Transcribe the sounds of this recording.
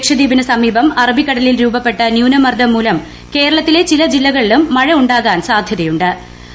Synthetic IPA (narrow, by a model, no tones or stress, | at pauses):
kʂɐd̪iːbinɐsɐmiːbɐmɐrɐbʱikːɐɽɐlilɾuːbɐpːe̞ʈːɐnjuːnɐmɐrd̪ʱɐmːuːlɐm | ke̞ːɾɐɭɐt̪ːilet͡ɕilɐd͡ʑilːɐɣɐɭilumːɐɻɐuɳɖaːɣaːnsaːd̪ʱjɐðɐjuɳɖɨ